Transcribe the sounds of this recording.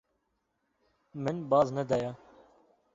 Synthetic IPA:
mɪnbaːznəd̪aːjaː

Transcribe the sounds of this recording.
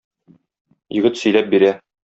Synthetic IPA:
jɵ̆ɡɘt̪sɵ̆jlæp̚biɾæ

